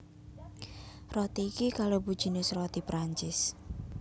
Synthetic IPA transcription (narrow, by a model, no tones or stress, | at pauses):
rɔt̪iːkikalobud̥ʒ̥i̤nɪsrɔt̪ipɾaɲt͡ʃɪs